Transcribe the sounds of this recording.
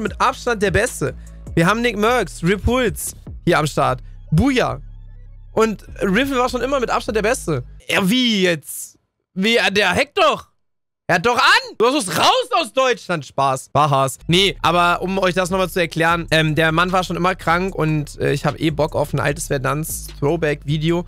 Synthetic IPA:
nmɪtʔapʃtant̚d̥eːɐbɛstə | viːɐɦaːbm̩nɪkmœɐksʁɪphʊlshiːɐamʃtaɐt | buːja̰ | ʔʊntʁɪf̩vaːɐʃoːnʔɪmɐmɪtʔa̰pʃtantd̥eːɐbɛstəjaviːjɛt͡s | viːadeːɐɦɛk̚td̥ɔχ | hat̚d̥ɔχʔand̥uasʊsʁaʊsaʊsd̥ɔʏt͡ʃlantʃpaːsv̥aːɦasnəʔa̰ːbɐʔʊmʔɔʏçd̥as̬nɔχmalt͡suɛɐkʰl̥ɛːʁənʔɛːmdeːɐmanvaːɐʃoːnʔɪmɐkʁ̥aŋkʊ̰ntʔɛ̰ːɪçhaːbəʔḛːbɔka̰ʊfn̩ʔa̰ltəsfɛɐnant͡sθʁoʊbɛkv̥iːdeoː

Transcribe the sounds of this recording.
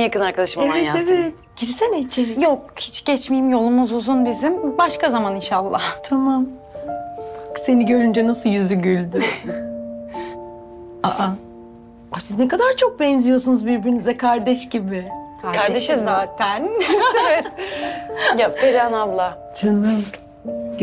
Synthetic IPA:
jakɯnaɾkad̪aʃmavɛevɛ | ɟ̥iɾisɛlʲet͡ʃʰeɾijok̚hit͡ʃɟ̥ɛt͡ʃmejimjo̞lˠumuzozunbizimbaʃkazamaninʃalˠːa̰t̪ʰamam | se̞niɟø̞ɾynd͡ʒɛnasujyzyɟylʲd̪y | aʔa | asiznɛkad̪aɾt͡ʃʰok̚bɛnzijo̞sunuzbiɾbiɾinizɛkʰaɾd̪ɛʃɟibɪkʰaɾkaɾd̪eʃɯzbat̪ʰæn | jaed̪anablˠa | t͡ʃʰɯnɯm

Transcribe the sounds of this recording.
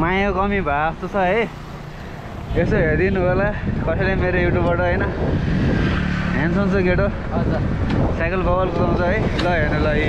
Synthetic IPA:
majokʌmibʱaʌst̪ot͡sʰʌɦʌj | esoɦeɾd̪inubʱolakʌsʌjlajmeɾojuʈjubbʌʈʌɦʌjnʌ | ɦant͡sʰʌnt͡sʌɡeʈo | d͡z | sajkʌlbʌbʌlkuɡaw̃t͡sʰʌɦʌjlʌɦenelai

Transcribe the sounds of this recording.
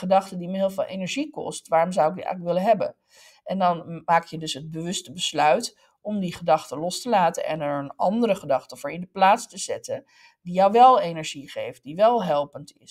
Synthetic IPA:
χədɑχtədiməɦɪːlˠvɪːlˠʔḛjnɛɹʒikɔ̰stʋaːrɔmzɑwɪkɛ̰ləkʋɪlənɦɛbə̰n | ʔɛndɑnmaːkjədɵsɦəd̚bəʋɵstəbəslœɥt | ɔmdiχədɑχtəlɔstəlaːtəʔɛ̰nɛɹənɑ̰ndəɾəχədɑχtəvʊːɹɪndəplaːtstəz̥ɛ̰tə | dijɑwʋɛlˠejnɛɹʒiχḛjft̚diʋɛlˠɦɛlˠpəntɪs

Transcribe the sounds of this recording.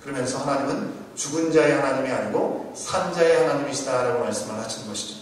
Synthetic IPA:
kɯɾʌmjʌnsʰʌhanaɲimɯn | t͡ɕuɡund͡ʑaehanaɲimiaɲiɡosʰand͡ʑaehanaɲimiɕʰidaɦaɾaɡomaɭs͈ɯmɯɭhaɕʰinɡʌɕʰi̥d͡ʑo

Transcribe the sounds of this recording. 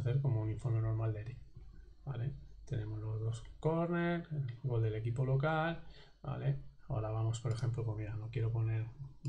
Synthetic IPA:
θe̞ɾko̞mouniɱfoɾmeno̞ɾmald̪eɾibalet̪e̞nẽ̞mo̞zlo̞zðo̞skoɾneɾelɣo̞ld̪e̞le̞kipo̞lo̞kal | ba̰leo̰ɾaβ̞amo̞spo̞ɾe̞xe̞mplopomiɾano̞kje̞ɾo̞po̞ne̞ɾ

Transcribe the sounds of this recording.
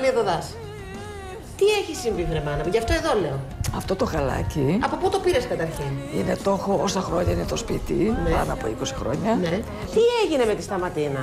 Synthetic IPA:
liðoðɐs | t̪ieçisiɱvivɾemɐnɐʝɐft̪oe̞ðole̞oɐft̪o̞t̪o̞xɐlɐ̰ciɐpo̞put̪o̞piɾeskɐt̪ɐɾçinine̞t̪o̞xo̞osɐxɾo̞ɲɐine̞t̪o̞spit̪inepɐ̰noɐpoiko̞si̥xɾo̞̰ɲɐne | t̪ieʝine̞me̞t̪ist̪ɐmɐt̪inɐ

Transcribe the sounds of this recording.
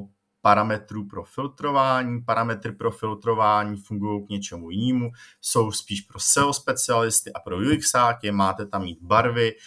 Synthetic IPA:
paɾamɛt̪ɾuːpɾo̞fɪlt̪ɾo̞vaːɲiːpaɾamɛt̪ɾɪpɾo̞fɪlt̪ɾo̞vaːɲiːfuŋɡujo̞wkɲɛt͡ʃɛmujɪniːmuso̞wspiːʃpɾo̞sɛospɛt͡sɪalɪst̪ɪʔapɾo̞juɪksaːcɛmaːt̪ɛt̪amiːt̪baɾvɪ

